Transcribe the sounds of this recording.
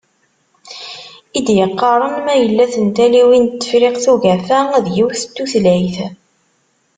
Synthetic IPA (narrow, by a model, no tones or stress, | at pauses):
id̪jəqːɑɾˤənmæjəlːæθənt̪æliwint̪ːə̥fɾeqθuɣæfææðjiwθət̪ːuθlæjθ